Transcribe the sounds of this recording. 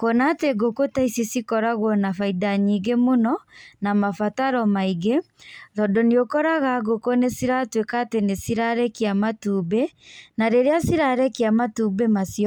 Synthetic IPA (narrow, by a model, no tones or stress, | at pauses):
kɔnateɡokotaisisikɔɾaɣwɔnafaidaɲiɡemonɔnamafataɾɔmaiɡe | ɾɔdɔniokɔɾaɣaɣokonesiɾatwekatenesiɾaɾɛkiamatuːbenaɾeɾeasiɾaɾɛkiamatuːbemasiɔ